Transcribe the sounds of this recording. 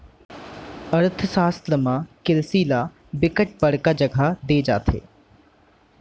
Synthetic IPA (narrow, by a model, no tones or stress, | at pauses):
əɾt̪ʰsaːsləmãkɪlsiːla | bɪkəʈ̚bəɽkad͡ʒɐɡʱad̪eːd͡ʒa̰ːt̪ʰḛː